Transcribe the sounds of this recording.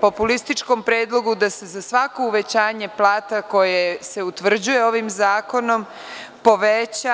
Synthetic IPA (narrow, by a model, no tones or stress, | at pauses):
po̞pulist̪it͡ʃko̞mpɾeːd̪lˠo̞ɡud̪ase̞zasʋako̞uʋe̞t͡ɕaːɲe̞plˠaːt̪ako̞jese̞ut̪ʋr̩d͡ʑuje̞o̞ʋimzaːko̞no̞m | po̞ʋet͡ɕa